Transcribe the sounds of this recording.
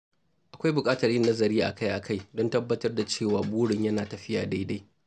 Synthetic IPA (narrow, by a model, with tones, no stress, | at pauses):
ʔa˨kʷa˦jbʊ˨kʼaː˦tɐ˨rjɪ˦nːɐ˦zɐ˨ɾiː˦ʔa̰˨ka˦jʔa˨kʰa˦jdɔ˦ntɐ˦bːɐ˦tɐ˦rda˨t͡ʃeː˦˨waː˨buː˦ɽɪ˨ɲjɐ˦naː˨tɐ˨ɸɪ˦ja̰ː˨da˦jda˦j